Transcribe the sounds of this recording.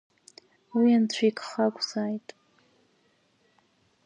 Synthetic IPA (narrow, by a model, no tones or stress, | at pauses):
wiant͡ɕʷʰikʰʼχakʷʼzaːjtʼ